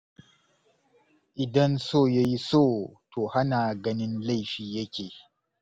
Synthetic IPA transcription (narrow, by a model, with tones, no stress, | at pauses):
ʔɪ˨dɐ˦nsoː˦˨ja˦ji˦soː˦to˨ha˦naː˨ɡɐ˦nɪ˦nla˦˨jɸiː˨je˦kʲe˨